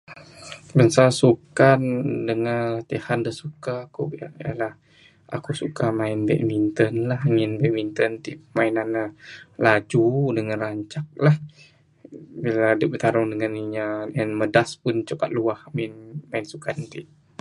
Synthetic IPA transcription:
bənsasukandəŋat̪ihandəsukaːkubia̰ia̰lah | a̰kusukamaɪnbɛ̰ʔmint̪ənlahŋɪnbɛʔmint̪ənt̪ipəmainanalad͡ʒudəŋanraɲt͡ʃak̚lah | biladəbət̪aɾʊŋdəŋaniɲaənmədaspʊnt͡ʃuka̰t̪̚luahmɪnmaɪnsukant̪iʔ

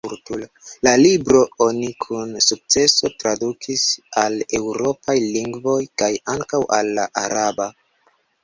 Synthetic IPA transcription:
uɾtulo | lalibɾo̞o̞nikʰunsuk̚t͡se̞so̞tɾadukʰisale̞wɾo̞pajliŋɡvo̞jkajaŋkawʔalːaʔaɾaba

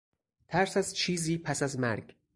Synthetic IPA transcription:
t̪ʰæɾsæzt͡ʃʰiːziːpʰæsæzmæɾɡ̥

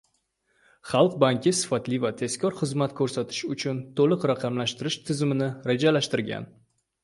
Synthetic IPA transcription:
χɑlˠq̚baŋkʲʰɪsɪ̥fat̪lɪvat̪ʰe̞skʰʲɒɾχɨzmat̪kʰɵɾsat̪ʰɪ̥ʃʊt͡ʃʰʊnt̪ʰolɨqɾaqʰɑmlaʃt̪ɪɾɪʃt̪ʰɪzɪmɪnɪɾed͡ʒalaʃt̪ɪɾɡʲa̰n

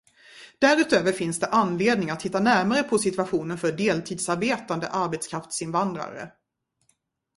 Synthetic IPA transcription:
d̪̥æɾʉ̟ːt̪øːvəɾfɪnsd̪ɛʔanːleːd̪nɪŋat̪hɪt̪ːanæɾmaɾəpʰɔsɪt̪ɵaɧuːnənfœɖeːlt̪ʰiːd̪saɾbeːt̪and̪ə̰ʔaɾbɛt̪skʰɾaft̪sɪnvand̪ɾa̰ɾə̰

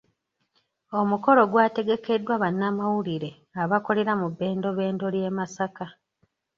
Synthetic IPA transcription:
o̞muko̞lo̞ɡwaːte̞ɡe̞ke̞dːwaβanːamawuliɾe̞ | aβako̞le̞ɾamubːe̞ːndo̞βe̞ːndo̞lje̞ːmasaka

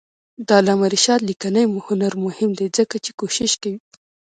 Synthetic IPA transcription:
d̪ɑlamaɾɪʃɑd̪likanajmuhʊnaɾmʊhɪmd̪ezəkat͡ʃe̥koʃɪʃkawi

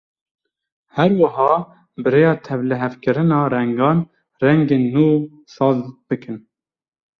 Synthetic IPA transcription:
hɛɾwɨɦɑː | bɨɾeːjɑːt̪ʰɛvlɨɦɛvkɨɾɨnɑːɾɛŋɡɑːn | rɛŋɡeːnːuː | sɑːzb̥ɨkʰɨn

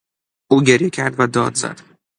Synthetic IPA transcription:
ʔuːɟeɾjecʰæɾd̪væd̪ɒ̰ːd̪zæ̰d̪̥

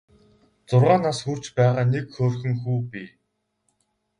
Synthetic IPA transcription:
t͡sʊrʁaːnaːsxur̥t͡ɕpæːʁaːnekxoːrxɘ̆ŋxuːpʲi

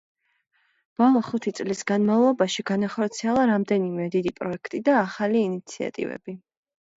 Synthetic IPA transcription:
b̥ɔlˠɔχut̪ʰit̪sʼlisɡanmavlˠɔbaʃiɡanaχɔɾt̪sʰiɛlˠaɾamd̪ɛnimɛd̪id̪ipʼɾɔɛkʰt̪ʼid̪aːχaliːnit̪sʰia̰t̪ʼḭvɛ̰b̥i

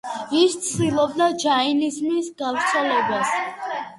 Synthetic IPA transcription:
ist̪sʰd̪ilˠɔbd̪ad͡ʒainizmisɡavɾt̪sʰɛlɛbas

